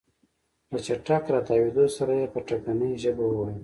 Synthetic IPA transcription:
lət͡ʃaʈakɾɑt̪ɑwed̪osaɾajepəʈakanəjʒəbowwajə

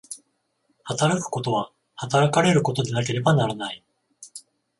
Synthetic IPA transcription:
hat̪aɾakɯ̟̥ko̞t̪o̞β̞a | hat̪aɾakaɾe̞ɾɯ̟ko̞t̪o̞d̪e̞nak̬e̞ɾe̞banaɾanai

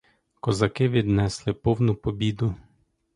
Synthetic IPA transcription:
kɔzɐkɪʋʲid̪nɛslˠɪpɔwnʊpɔbʲid̪ʊ

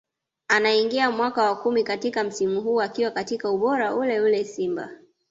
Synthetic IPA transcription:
anaiŋɡiamwakawakumikatikam̩simuɦuːakiwakatikauɓɔɾaʔulɛulɛsimba̰

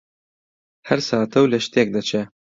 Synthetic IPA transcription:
hɛɾsɑːt̪ʰɛwlɛʃt̪iɛk̚d̪ɐt͡ʃʰɛ

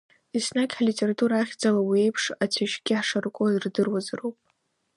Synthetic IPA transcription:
isnakʲħalitʲʼeɾatʰʼuɾaːχʲd͡zalawie̞jpʰʂat͡sʷʰaʃɡʲɪħʂarkʷʼodɨrdɨrwazarowpʼ

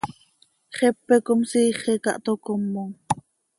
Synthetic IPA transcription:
χɛpːɛkomsiːχɛkɑ̰ʔt̪okomːoŋ

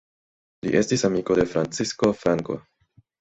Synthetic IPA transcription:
lḭʔe̞stisamiko̞de̞fɾant͡sisko̞fɾaŋko̞̰

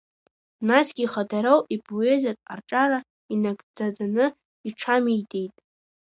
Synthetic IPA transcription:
nasɡʲiχadaɾowʔipʰʼoezakʼa̰rʈ͡ʂʼaɾa | inaɡʼd͡zadanɨ | iʈ͡ʂʰamijdʼe̞jtʼ

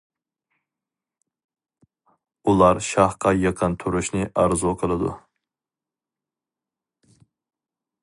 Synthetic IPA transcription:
ulˠaɾʃɑhqʰɑjeqʰɨnt̪ʰʊɾɪʃnɪʔɑɾzɔqʰəlˠɪd̪ʊ̰

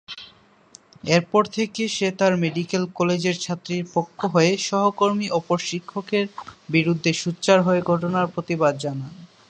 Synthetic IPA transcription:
eɾpɔɾt̪ʰekeʃet̪aɾmeɖikelkɔled͡ʑeɾt͡ɕʰat̪ːɾiɾpokʰːoɦɔeʃɔɦokoɾmiʔɔpoɾʃikʰːokeɾbiɾud̪ʱːeʃutːɕaɾɦɔeɡʱɔʈonaɾpɾot̪ibad̪̚d͡ʑanan

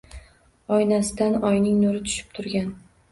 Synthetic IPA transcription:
ɒjnasɪd̪anɒjnɪŋnʊɾɪt̪ʰʊ̥ʃɪ̥p̚t̪ʰʊɾɡʲan

